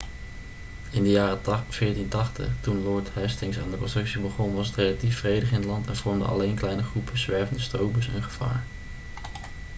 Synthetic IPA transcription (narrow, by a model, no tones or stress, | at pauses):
ɪndəjaːrəfɪːɹtintɑχtə̰χtunlɔɹtɦɛstɪŋsaːndəkɔ̃nstrɵksibəχɔnʋɑsətrejlatifrejdəχɪnətlɑntɛnv̥ɔɹmdə̰ɑ̰lejnklɛjnəχrupəzʋɛɹvəndəstrowbəsɛ̰nχəv̥a̰ːɹ